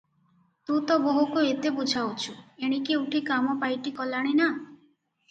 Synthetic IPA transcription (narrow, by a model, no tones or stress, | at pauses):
t̪ũt̪ɔboɦukuet̪ebud͡ʒʱʰawt͡ʃʰueɽ̃ikiuʈʰikamɔpajʈikɔlaɽ̃ina